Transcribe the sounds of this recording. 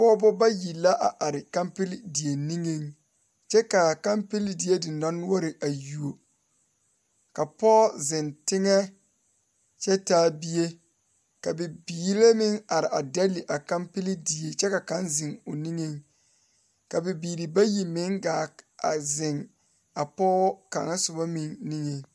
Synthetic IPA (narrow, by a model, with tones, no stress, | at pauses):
pɔ˦bʊ˦ba˦ji˨la˦ʔa˨ʔa˨ɾɪ˨ka˦mpɪ˦li˦di˨e˨ni˦ŋe˦ŋ | t͡ʃɛ˦ka˨ka˦mpɪ˦li˦di˨je˦dɪ˨na˦nʊ˦ɔ˦ɾɪ˨ʔa˨ju˨o˨ | ka˨pɔː˦zɪ˨ntɪ˦ŋɛ˦ | t͡ʃɛ˦taː˦bi˦je˦ | ka˨bɪ˨biː˨le˦mɪ˦ŋa˨ɾɪ˨ʔa˨dɛ˦li˨ʔa˨ka˦mpi˦li˦di˨e˨t͡ʃɛ˦ka˨ka˦nzɪ˨ŋʊ˨ni˦ŋe˦ŋ | ka˨bɪ˨biː˨li˨ba˦ji˨mɪ˨˦ŋɡaː˨a̰˨zɪ˨ŋ | a˨pɔː˦ka̰˨ŋa˦sʊ˨ba˦mɪ˨nːi˦ŋe˨ŋ